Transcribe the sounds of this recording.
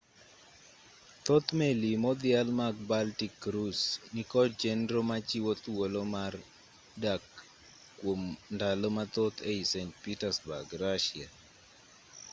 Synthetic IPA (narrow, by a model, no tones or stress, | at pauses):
t̪ot̪melimɔd̪ɪalmak̚baltikːɾusnikɔd͡ʒɛndɾomat͡ʃiwot̪wolomar | dakː | womndalɔmat̪ot̪ʰeisentpitasba̰ɡɾaʃɪa